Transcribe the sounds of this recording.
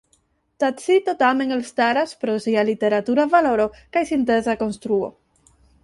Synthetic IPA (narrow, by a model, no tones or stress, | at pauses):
t̪asit̪otame̞ŋelst̪aɾaspɾo̞sialit̪e̞ɾat̪uɾavalo̞ɾo̞kajsint̪e̞zako̞nst̪ɾuo̞̰